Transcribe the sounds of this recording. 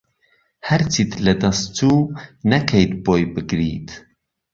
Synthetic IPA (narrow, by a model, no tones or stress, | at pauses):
hɐɾt͡ʃit̪lɐd̪ɐst̪ʰuːnɐkʰɐjt̪̚boːjbɨɡɾḭːt̪ʰ